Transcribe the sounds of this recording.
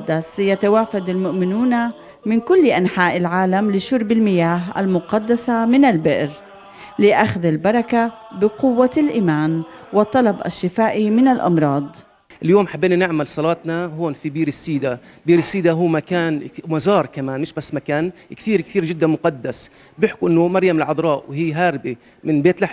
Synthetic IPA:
d̪ːasjat̪awaːfad̪almʊʔmɪnuːna | mɪnkʊlːʔanħaːʔɪlʕaːlamlɪʃʊɾˤbɪlmɪjaːɦʔa̰lmʊqɑd̪ːasamɪnalbɪʔɾ | lɪʔaxðalbɑɾˤɑka | bɪqʊwːalʔiːmaːn | wɪt̪ˤːɑlɑbʔa̰ʃːɪfaːʔimɪnalʔɑ̰mɾˤɑːd̪ˤ | ʔɪljoːmħabːiːnanɪʕmalsˤɑlɑːt̪nahoːnfibiːɾɪsiːd̪a | biːɾɪsiːd̪aɦuːmakaːnmazɑːɾˤkamaːnmɪʃbasːmakaːnkt̪iːɾkt̪iːɾʒɪd̪ːanmʊqɑd̪ːas | bjɪħkuʔɪnːʊmɑɾˤjamɪlʕɑd̪ˤɾˤɑːʔwhiːɦaɾbi | mɪnbeːt̪laħ

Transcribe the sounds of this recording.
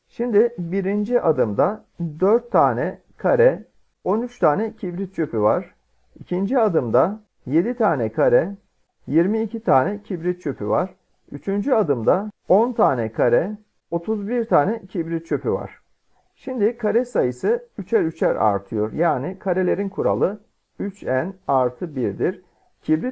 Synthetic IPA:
ʃimd̪ɪbiɾind͡ʒiʔad̪ɯmd̪a | d̪øɾt̪ʰːaːnɛ | kʰaɾɛ | o̞nyt͡ʃt̪ʰaːnɛcʰibɾit̪̚t͡ʃʰø̞pʰyva̰ɾ̥ | icʰind͡ʒiad̪ɯmd̪a | je̞d̪it̪ʰaːnɛkʰaɾɛ | jiɾmiːcʰit̪ʰaːnɛcʰibɾit̪̚t͡ʃʰøpʰyvaɾ̥ | yt͡ʃʰynd͡ʒiad̪ɯmd̪ao̞nt̪ʰaːnɛkʰaɾɛ | o̞t̪ʰuzbiɾt̪ʰaːnɛcʰibɾit̪̚t͡ʃʰø̞pʰyva̰ɾ̥ | ʃimd̪ikʰaɾɛsajɯsɯyt͡ʃʰæɾyt͡ʃʰæɾa̰ɾt̪ʰɯjo̞̰ɾjaːnikʰaɾelʲe̞ɾinkʰuɾa̰lˠɯ | yt͡ʃænaɾt̪ʰɯbiɾd̪iɾ | cʰibɾi

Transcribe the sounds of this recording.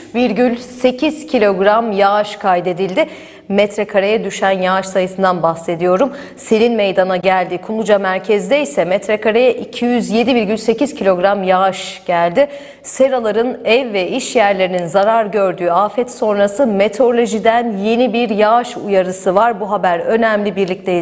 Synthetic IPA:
viɾɟylʲse̞cʰiz̥cʰilʲo̞ɡɾamjaʃkʰajd̪e̞d̪ilʲd̪ɪ | mɛt̪ɾɛkʰaɾejɛd̪yʃænjaaʃsajɯsɯnd̪anbaxse̞d̪ijo̞ɾum | selʲinmejd̪anaɟælʲd̪ikʰumˠud͡ʒamæɾcʰɛzd̪ɛjsɛmɛt̪ʰɾɛkaɾejɛʔicʰijyzje̞d̪ibiɾɟylʲse̞ciz̥cʰilʲo̞ɡɾamjaaʃɟ̥ælʲd̪ɪ | seɾalˠaɾɯnɛvːɛʔiʃjæɾlʲe̞ɾininzaɾaɾɟø̞ɾd̪yːafɛt̪so̞nɾasɯmet̪ʰo̞ɾlʲo̞ʒid̪ænje̞nibiɾjaʃṵjaɾɯsɯvaɾbuɦabæɾø̞næmlʲibiɾlʲic̚t̪ʰɛj

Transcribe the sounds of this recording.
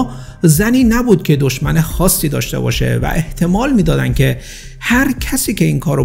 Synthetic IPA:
zæniːnæbuːd̪̥̚cʲʰe̞d̪oʃmænexɒːsːiːd̪ɒ̰ːʃt̪e̞̰bɒ̰ːʃe̞̰væ̰ʔe̞ht̪ʰe̞mɒːlmiːd̪ɒːd̪ænd̪̥̚cʰe̞ | hæɾcʰæsiːcʲe̞inkʰɒːɾo

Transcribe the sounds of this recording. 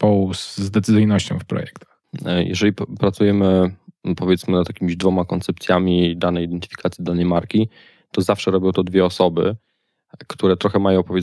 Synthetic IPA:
pɔwuszd̪ɛt̪sɨzɨjnɔɕt͡ɕɔ̃w̃fpɾɔ̰jɛkt̪ | jʔɛ̰ʐɛlʲipɾat̪sujɛmɘpɔvʲjɛt̪smɘnat̪jakʲimʲiʑd̪vɔmakɔnt̪sɛpt̪sʲjamʲid̪anɛjid̪ɛnt̪ɘ̥fʲi̥kʰat̪sʲid̪anɛjmaɾkʲi | t̪ɔzafʂɛɾɔbʲjɔ̃w̃t̪ɔd̪vʲjɛɔsɔbɘ̰ | kt̪uɾɛt̪ɾɔxɛmajɔ̃w̃pɔvʲjɛ

